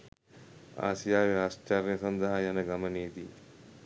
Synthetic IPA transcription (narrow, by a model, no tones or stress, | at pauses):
a̰ːsijaːʋeast͡ʃaɾjɐsɐnd̪ɐɦajanəɡaməneːd̪i